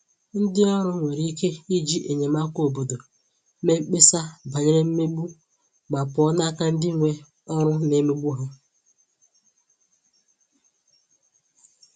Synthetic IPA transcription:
n̩˦dɪ˦ɔ˦ɾʊ˦ŋʷe˨ɾi˦ke˦i˦d͡ʒi˦ʔe˨ɲe˨ma˦ko˨bo˨do˨˦ | me˦k͡pe˦sa˦ba˨ɲe˦ɾe˦m̩˦me˦ɡ͡bu˦ | ma˨pʊ˨˦ɔ˦na˦ka˦n̩˦dɪ˦ŋʷe˦ | ɔ˦ɾʊ˦ne˦me˦ɡ͡bu˦ɦa˦

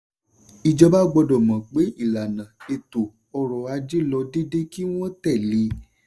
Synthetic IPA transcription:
i˨d͡ʒɔ˧ba˦ɡ͡bɔ˧dɔ˨mã˨k͡pe˨˦i˦˨la˨nã˨e˨to˨ | ɔ˧ɾɔ˨a˧d͡ʒe˦lɔ˧de˦de˦ki˦w̃ɔ̃˦tɛ˦˨le˨˧˦

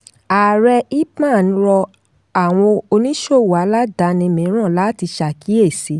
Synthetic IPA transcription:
a˨ɾɛ˧i˦mã˦˨ñ̩˧˦ɾɔ˧ | a˦˨w̃ɔ̃˧o˧nĩ˦ʃo˦˨wa˨˦la˦da˨˧nĩ˧mĩ˨˦ɾ̃ã˦˨la˦ti˧ʃa˨kʰi˨˦e˦˨si˨˦

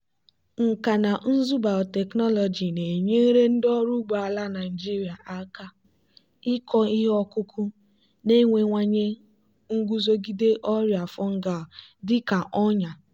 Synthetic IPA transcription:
ŋ̩˨ka˨na˨n̩˦zu˦ba˨ɔ˨te˨knɔ˦lɔ˨d͡ʒi˨ne˨ɲe˦ɾe˦n̩˦dɔ˦ɾu˦ɡ͡ba˨a˨la˦na˨d͡ʒi˦ɾja˨ʔa˦ka˦ | i˦kʰɔ˦i˦ɦɔ˦kʊ˦kʰʊ˦ | ne˦ŋʷe˨ŋʷa˨ɲe˦ | ŋ̩˦ɡʷu˦zo˦ɡi˦de˦ʔɔ˦ɾja˨fɔ˦ŋ̩˦ɡa˨dɪ˦ka˨ʔɔ˦ɲa˨

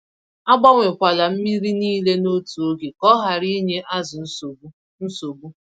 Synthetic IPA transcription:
a˦ɡ͡ba˦ŋʷe˨kʷa˨la˨m̩˦mi˦ɾi˦niː˦le˦no˦tu˨o˦ɡe˨kɔ˦ɦa˨ɾi˦ɲe˦ʔa˦zʊ˨˦˨ | n̩˦so˨bu˦

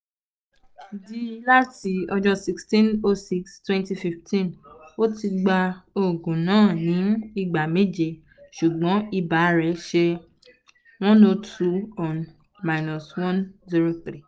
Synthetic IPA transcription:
di˦la˦ti˨˦ɔ˧d͡ʒɔ˦si˦kstĩ˦no˧si˦kstwɛ̃˦nti˧fi˧ftʰĩ˦no˦ti˧ɡ͡ba˧o˨ɡũ˨nãː˦˨nĩ˨˦i˧ɡ͡ba˨me˦d͡ʒe˧˨ | ʃu˨ɡ͡bɔ̃˨˦i˧ba˨˦ɾɛ˨˦ʃe˧ | w̃ɔ̃˦no˧tʰu˧ɔ˨n | ma˧jnɔ˨swɔ̃˦nzi˦ɾo˧θɾi˦˨

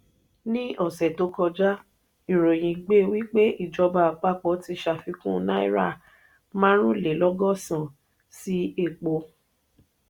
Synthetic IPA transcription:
nĩ˦ɔ˦˨sɛ˨to˨˦kɔ˧d͡ʒa˦ | i˨ɾo˨j̃ĩ˨ɡ͡be˦˨wi˦k͡pe˦i˦˨d͡ʒɔ˧ba˧˨k͡pa˦k͡pɔ˧˦ti˧˦ʃa˧fi˧kũ˦˨nã˦ḭ˦ɾa̰˦˨ | mã˦ɾ̃ũ˦˨le˨˦lɔ˦ɡɔ˦˨sã˨ | si˦e˦˨k͡po˧˦

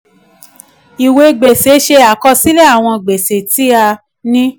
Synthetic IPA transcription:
i˨we˨˦ɡ͡be˨se˨˦ʃe˧a˨kɔ˧si˦lɛ˦a˦˨w̃ɔ̃˧ɡ͡be˨se˨ti˨˦a˧ | nĩ˦

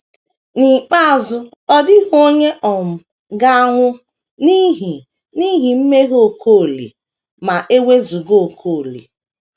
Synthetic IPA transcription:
ni˨k͡pa˦a˨zʊ˦ | ɔ˦dɪ˦ɦo˦ɲe˦ʔɔ˨m̩˨ | ɡa˦a˦ŋʷʊ˦ | ni˦ɦi˨ | ni˦ɦi˨m̩˦me˦ɦo˨kʰo˦˨lḭ˨ | ma˨ʔe˦we˦zu˨ɡo˨kʰo˦˨lḭ˨

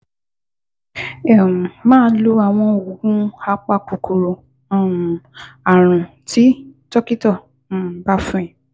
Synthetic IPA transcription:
ɛ˦˨mãː˦lo˦a˨w̃ɔ̃˧o˨o˨ɡũ˦a˦k͡pa˦˨ko˨ko˨ɾõ˨ | m˨a˨ɾ̃ũ˨ | ti˨˦tɔ˦ki˦tɔ˦˨˦ | ba˦fũ˦ɛ̃˦˨

